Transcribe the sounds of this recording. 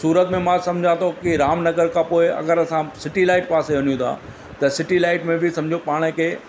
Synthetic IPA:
suːɾət̪mẽmãsɐ̃md͡ʑʱãt̪ʰokiɾaːmnɐɡəɾkʰãːpoːɪɐ̰ɡəɾɐsãsɪʈilaːɪʈpaːseʋɐnijũt̪ʰã̰ː | t̪ɐsɪʈilaːɪʈmẽbɪsɐ̃md͡ʑʱopaːɽ̃ekʰeː

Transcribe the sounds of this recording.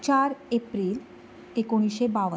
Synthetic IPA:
t͡ɕaɾepɾiːl | ekoɽ̃iɕebaʋə

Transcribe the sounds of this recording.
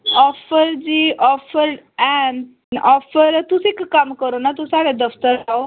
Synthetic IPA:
ɔfəɾd͡ʑiʔɔfəɾɛn | ɔfəɾt̪usekkːamkəɾonat̪usaɽed̪əft̪əɾao

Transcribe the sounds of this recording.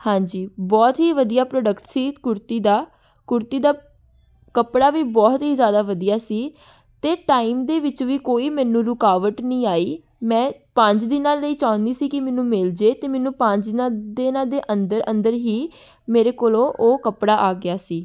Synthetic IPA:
hãːɲd͡ʒiːbɔːt̪ɦiːʋəd̪ijaːpɾoːɖəkʈsiːkʊɾt̪iːd̪aː | kʊɾt̪iːd̪aː | kəpɽaːʋiːbɔːt̪ɦiːzjaːd̪aːʋəd̪ijaːsiː | t̪eːʈaːiːmd̪eːʋɪt͡ʃʋiːkoːiːmɛ̃ːnũːɾʊkaːʋəʈnĩːaːiː | mɛ̃ːpəɲt͡ʃd̪ɪnãːləiːt͡ʃaːʊ̃nd̪iːsiːkɪmɛnũːmɪld͡ʒeːt̪eːmɛːnũːpə̃ɲt͡ʃ̪ɪnãːd̪ɪnãːd̪eːʔənd̪əɾə̃nd̪əɾɦiː | meːɾeːkoːlõːʔoːkəpɽaːʔaːɡɪjaːsiː

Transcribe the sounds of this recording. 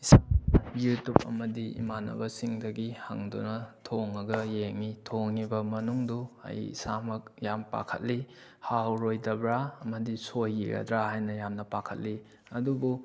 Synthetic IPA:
isamjutup̚ɐ̰mɐdiḭmanɐ̰bɐsiŋdɐɡihɐ̰ŋdṵnɐtʰoŋɐɡɐjeŋitʰoŋibɐmɐnuŋduɐ̰jḭsamɐk̚jampa̰kʰɐ̰t̚li | hawɾojdɐbɾaɐmɐdisojːiɡɐ̰dɾahajnɐjamnɐpakʰɐt̚li | ɐdubu

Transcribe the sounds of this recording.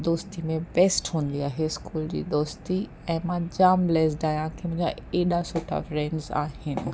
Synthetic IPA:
d̪oːst̪imẽbɛsʈɦũːnd̪iaːɦeskuːld͡ʑḭːd̪oːst̪i | ɛ̃ːmãd͡ʑaːmlɛsɖaːjãkʰẽmʊ̃ɦɪ̃ɲd͡ʑa̰eːɗasoːʈʰa̰fɾɛ̃ɳɖza̰ːhɪnɪ̆

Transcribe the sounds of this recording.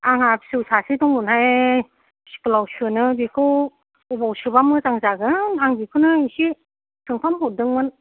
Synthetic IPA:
aŋapsɯsasitɔŋmunhaj | si̥klawsɯnɯbikʰɯw | ubawsɯbamɯzaŋzaɡɯaŋɡikʰɯnɯisi | sʰɯŋpʰamɦɔdɯŋmɯn

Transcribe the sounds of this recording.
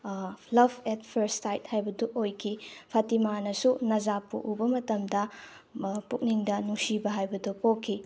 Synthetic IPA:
lɐbet̚pʰeɾstajt̚hajbɐduʔojkʰipʰɐtimanɐsunɐzapṵʔubɐmɐtɐmdɐ | puk̚niŋdɐnuŋsibɐɦajbɐdupokʰːi

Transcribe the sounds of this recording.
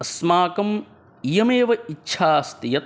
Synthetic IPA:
ɐsmaːkɐm | ijɐmeːʋɐiːʃʰaːst̪ijɐt̪̚

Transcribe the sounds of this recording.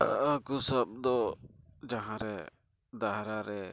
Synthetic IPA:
əkusəb̚d̪ɔd͡ʒaɦãɾɛ | d̪aɦɾaɾɛ

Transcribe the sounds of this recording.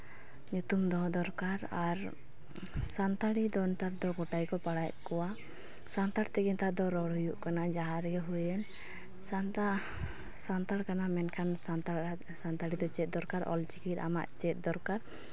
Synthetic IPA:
ɲut̪umd̪ɔɦd̪ɔɾkaɾaɾ | sant̪aɽid̪ɔnt̪aɾd̪ɔɡɔʈajkɔpaɽajʔkɔwa | sant̪aɽt̪ɛɡɛnt̪ad̪ɔɾɔɽɦujuʔkanad͡ʒaɦaɾɛɡɛɦujɛn | sa | sant̪aɽkanamɛnkʰansat̪a | sant̪aɽid̪ɔt͡ʃɛt̪̚d̪ɔɾkaɾʔɔ̰lt͡ʃikit̪a̰ma̰ʔt͡ʃɛt̪̚ˀd̪ɔɾkaɾ

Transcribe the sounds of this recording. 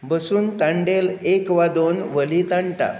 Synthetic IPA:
bəsuːnt̪aɳɖelekʋad̪onʋəlit̪aɳʈa̰

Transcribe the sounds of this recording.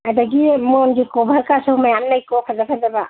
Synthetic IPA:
adaɡimɔnɡikɔbʱaɾkasɔwmajamnajkɔpʰazapʰazaba

